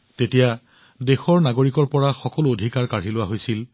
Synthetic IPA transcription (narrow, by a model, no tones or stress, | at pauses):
tetija | dexɔɹnaɡoɹikɔɹpɔɹaxɔkɔluodʱikaɹkaɹilʊwaɦojsil